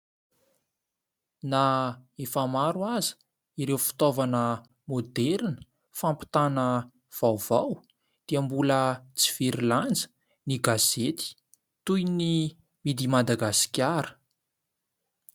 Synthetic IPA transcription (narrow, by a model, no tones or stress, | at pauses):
naefamaɾuaz̥ | iɾewfi̥t̪ovanə | mod̪ɛɾnə̥ | fampi̥t̪anə | v̥awv̥aw | d̪̥iambulət͡si̥v̥iɾiland͡zə̥ | niɡazet̪i̥ | t̪ujni | mid̪imad̪aɡasi̥kʲaɾə̥